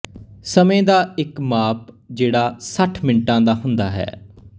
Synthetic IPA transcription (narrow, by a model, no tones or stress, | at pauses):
səmẽːd̪aːɪkmaːp̚ | d͡ʒeːɽaːsəʈʰmɪnʈãːd̪aːɦʊnd̪a̰ːɦɛ̰ː